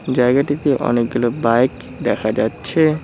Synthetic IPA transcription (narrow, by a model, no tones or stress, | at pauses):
d͡ʑajɡaʈit̪eʔɔ̰nek̚ɡulobajk | d̪ɛkʰad͡ʑatːɕʰe